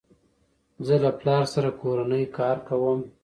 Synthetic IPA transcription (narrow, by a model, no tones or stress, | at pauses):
zəlaplɑɾsaɾakoɾanəjkɑɾkawəm